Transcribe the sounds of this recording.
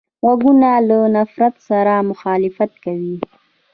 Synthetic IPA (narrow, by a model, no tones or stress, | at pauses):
ɣaɡunalənafɾat̪saɾamʊxɑːlɪfat̪kawi